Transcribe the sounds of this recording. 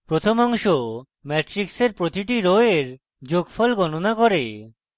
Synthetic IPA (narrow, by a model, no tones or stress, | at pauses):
pɾot̪ʰomɔŋʃo | mɛʈɾikseɾpɾot̪iʈiɾoeɾ | d͡ʑoɡfɔlɡɔnonakoɾe